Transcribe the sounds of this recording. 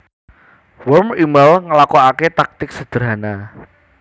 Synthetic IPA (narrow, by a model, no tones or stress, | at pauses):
wɔrmimalŋəlakoaket̪ak̚t̪ɪk̚səd̪̥əɾana